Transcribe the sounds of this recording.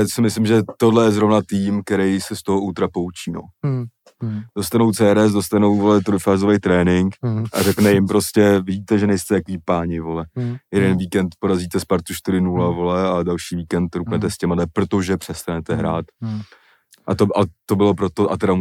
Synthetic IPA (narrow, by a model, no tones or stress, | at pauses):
sɪmɪslɪmʒɛt̪o̞dlɛjɛzɾo̞vnat̪iːmk̚t̪ɛɾɛjsɛst̪o̞ɦout̪ɾapo̞wt͡ʃiːno̰ | do̞st̪anowt͡sɛːɾɛs̬do̞st̪anowvolɛt̪ɾojfaːzovɛjt̪ɾɛːnɪŋkʔa̰rɛknɛjɪmpɾo̞scɛvɪɟiːt̪ɛʒɛnɛjst̪ɛakviːpaːɲɪvo̞lɛjɛdɛnviːkɛnt̪po̞ɾaziːt̪ɛspaɾt̪uʃt̪ɪɾɪnulavo̞lɛadalʃiːviːkɛnt̪ɾuknɛt̪ɛscɛmadɛpɾo̞t̪o̞ʒɛpr̝̥ɛst̪anɛt̪ɛɦɾa̰ːt̪ | ʔat̪oʔat̪o̞bɪlo̞pɾot̪o̞ʔat̪ɛɾa